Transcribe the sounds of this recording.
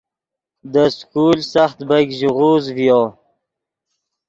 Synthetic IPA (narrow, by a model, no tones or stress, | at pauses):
d̪əskulsaxt̪baɡʒuʁuzvjo